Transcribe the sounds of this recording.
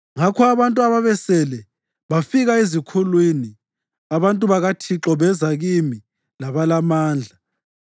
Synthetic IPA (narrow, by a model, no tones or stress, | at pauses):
ŋakʰɔaβantʼuaβaβɛsɛlɛ | βafiɣaezikʰulwini | aβantʼuβaɣatʰiǁɔβɛzaɣimi | laβalamaːnd͡ɮʱa